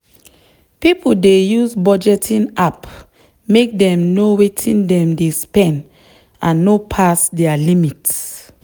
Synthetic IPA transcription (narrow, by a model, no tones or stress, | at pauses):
pipuldejuzbɔd͡ʒɛtʰĩnap | mek̚dɛ̃mnowetʰĩndɛ̃mdespɛ̃nd | ãnːopʰasdɛalimits